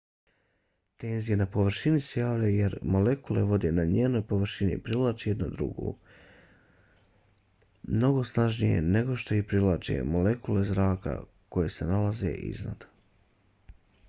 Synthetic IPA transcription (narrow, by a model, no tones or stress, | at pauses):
t̪e̞ːnzije̞napo̞ʋr̩ɾ̩ʃinisejaːʋlʎajujeɾmo̞le̞kule̞ʋo̞d̪enaɲeːno̞jpo̞ʋr̩ʃinḭpɾilˠat͡ʃejed̪nod̪ɾṵɡṵː | mno̞ɡo̞snaʒnijejene̞ɡo̞ʃt̪o̞ipɾilˠat͡ʃḛmo̞lekule̞zɾaːka̰ | ko̞je̞se̞nalazḛʔḭzna̰d̪